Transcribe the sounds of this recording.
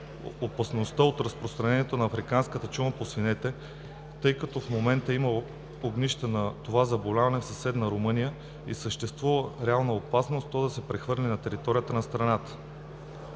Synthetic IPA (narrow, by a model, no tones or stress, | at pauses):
opɐsnost̪əot̪ɾɐspɾost̪ɾɐnɛniɛt̪onɐːfɾikanskət̪ət͡ʃuməposvinɛt̪ɛ | t̪ɤjkɐt̪ɔfmomɛnt̪əimə | oɡniʃt̪ənɐt̪ovazɐbolʲavɐnɛfsɐsɛd̪nɐɾomɤnijə | isəʃt̪ɛst̪vuvəɾɛalˠnəopasnost̪t̪ːɔd̪ɐsɛpɾɛxvɤɾlʲinɐt̪ɛɾit̪ɔɾijət̪ənɐst̪ɾɐnat̪ə̥